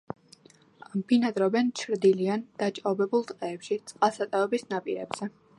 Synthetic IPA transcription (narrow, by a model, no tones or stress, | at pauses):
ambʰinad̪ɾɔbɛnt͡ʃʰɾd̪iliand̪̥at͡ʃʼɔbɛbulˠt̪ʼqʼɛːpʃit̪sʼqʼasat̪ʼaɛbisnapʼiɾɛ̰bz̥ɛ